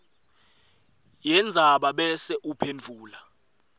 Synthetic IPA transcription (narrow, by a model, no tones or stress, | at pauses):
jɛnd͡zʱaɓaɓɛsɛʔupʰend͡vʱuːla